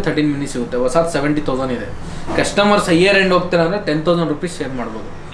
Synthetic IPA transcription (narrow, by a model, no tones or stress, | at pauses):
t̪ʰɐɾʈiːnminisiɡut̪ːeʋɔsaːt̪seʋeɳʈit̪ʰɐːzɐnid̪e | kɐʂʈɐmɐɾsɐeːɾeɳɖɦoːɡ̚t̪ːilãnd̪ɾeʈent̪ʰɐwzɐɳɖɾuːpiːsʃeːɾmaːɽboːd̪u